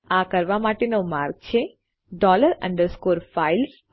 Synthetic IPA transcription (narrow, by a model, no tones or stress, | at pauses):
akəɾʋamaʈenomaɾɡ̚t͡ʃʰe | ɖɔləɾə̰̃ɳɖəɾskoɾfails